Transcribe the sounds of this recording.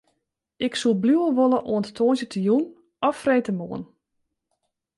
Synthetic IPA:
ɪksulˠbluəlˠʋolˠəʔoənttʰoːnzjətʰəjun | ɔfrejtəmoən

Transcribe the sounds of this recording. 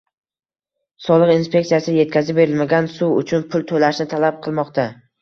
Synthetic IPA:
sɒlˠɨqinspʰe̞k̚t̪sijasɪje̞t̪̚kʲʰazɪp̚be̞ɾɪlmaɡʲansuʊt͡ʃʰʊnpʰʊlˠt̪ʰolaʃnɪt̪ʰalap̚qʰɨlˠmɒqt̪a

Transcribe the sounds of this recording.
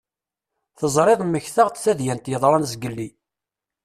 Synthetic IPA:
θəzˤɾˤeðˤmːəçθaʁt̪θæðjænt̪jəðˤɾˤɑnzɡəlːi

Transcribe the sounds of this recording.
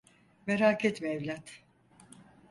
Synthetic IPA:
meɾaːkʰɛt̪miɛvlʲat̪

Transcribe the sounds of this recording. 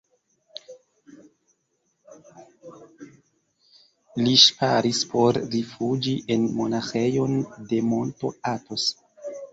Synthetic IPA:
liʃpaɾispʰo̞ɾːifud͡ʒiʔe̞nmo̞naxejo̞nde̞mo̞nto̞̰ato̞s

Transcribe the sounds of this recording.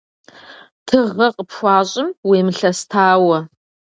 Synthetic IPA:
tʰɨʁɐqʼəpʰxʷɑːɕʼɪmweːmɨɬɐstʰaːwɐ

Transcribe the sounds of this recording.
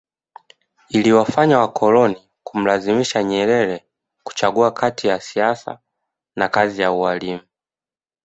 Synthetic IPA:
iliwafaɲawakʰɔlɔni | kum̩lazimiʃaɲɛɾɛɾɛ | ku̥t͡ʃaɠuakʰatʰijasiasa̰ | nakazijaualimu

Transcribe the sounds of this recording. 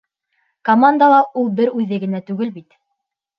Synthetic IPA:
kɐmand̪alˠɑʔulˠbɘɾʉðɘɡɘ̆næt̪ʉɡɘlbit̪

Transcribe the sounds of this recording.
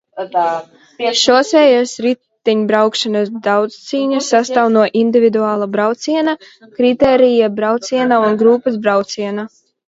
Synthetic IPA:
ʃɔːsɛːjasɾit̪ːiɲbɾawkʃanasd̪awt̪st̪siːɲasːast̪awnuɔʔind̪ivʲid̪uaːlˠabɾawt̪siɛna | kɾit̪ɛːɾijabɾawt̪sʲiɛnaunɡɾuːpɐsbɾawt̪siɛna

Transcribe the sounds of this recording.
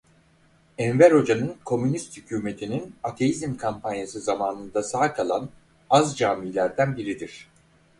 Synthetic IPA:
ɛnveɾo̞d͡ʒanɯnkʰo̞mynist̪hycʰyːme̞t̪ʰininat̪ʰe̞jizimkʰampʰanjasɯzamaːnɯnd̪asaːkʰalˠan | azd͡ʒaːmiːlʲæɾd̪ænbiɾid̪iɾ̥

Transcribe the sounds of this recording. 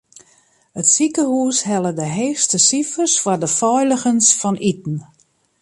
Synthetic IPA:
ətsikəhuːsɦɛlˠədəɦeːstəsifərsfɔdəfɔjləɣənsfɔnʔit̚n̩

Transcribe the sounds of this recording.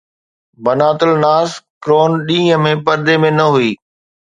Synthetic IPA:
bɐnaːt̪əlnaːskɾoːnɗĩːəmẽpɐɾd̪emẽnɐɦuiː

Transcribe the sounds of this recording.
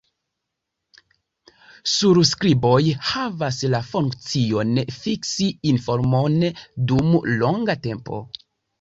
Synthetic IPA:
suɾskɾibo̞jhavaslafuŋkt͡sio̞nfiksiinfoɾmondumlo̞ŋɡate̞mpo̞̰

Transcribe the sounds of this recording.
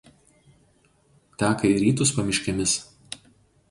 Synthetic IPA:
t̪ʲæːkɐiɾʲiːt̪ʊspɐmʲɪʃʲkʲɛmʲɪs

